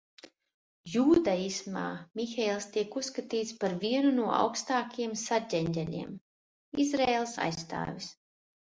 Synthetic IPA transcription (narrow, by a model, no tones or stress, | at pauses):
juːd̪aisma̰ːmʲixɛjlˠst̪iɛkusːkat̪iːt̪spaɾvʲiɛnunuɔa̰wkst̪aːkijɛmsaɟʲɛɲʲd̪ʲɛlʲḭɛm | izɾeːlˠsa̰jst̪a̰ːvʲis